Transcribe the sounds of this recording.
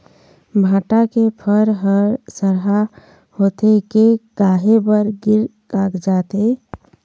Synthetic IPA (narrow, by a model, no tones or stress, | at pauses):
bʱãʈakepʰəɾɦəɾsəɾɦa | hot̪ekekaɦebəɾɡiɾ | kakd͡ʒat̪e